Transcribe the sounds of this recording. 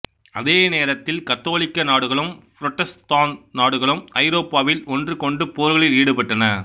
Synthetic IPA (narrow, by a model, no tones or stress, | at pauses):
ɐðeːneːɾɐt̪ːɪlkɐt̪ːoːɭɪkːɐnaːɽɯɣɐɭɯmfɾɔʈːɐst̪aːnnaːɽɯɣɐɭɯmɐɪɾoːpːaːʋɪlɔndrɯkɔɳɖɯpoːɾɣɐɭɪliːɽɯpɐʈːɐnɐ